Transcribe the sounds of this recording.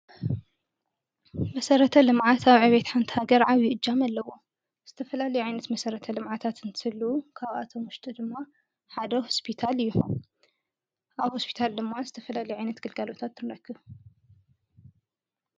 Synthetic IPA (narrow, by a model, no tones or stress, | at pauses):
mɐsɐɾɐt̪ʰɐlɨmʕat̪aβʕɨβet̪ħant̪ʰi̥haɡɐɾʕaβjiʔɨd͡ʒːamalːɐwo̞ | z̥ɨt̪ʰɐfɐlalɐjʕajnɐt̪mɐsɐɾɐt̪ʰɐlɨmʕat̪ʰat̪ɨnt̪ʰɨhɨlːukʰaβa̰t̪ʰomwʊʃt̪ʼid̪ɨmːa | ħad̪ɐho̞spʰit̪ʰalɨjːuħon | ʔaβhospʰi̥t̪ʰald̪ɨmːazɨt̪ʰɐfɐlalɐjuʕajnɐt̪ɡɨlɡalo̞t̪ʰat̪ːɨnɾɐkʰːɨβ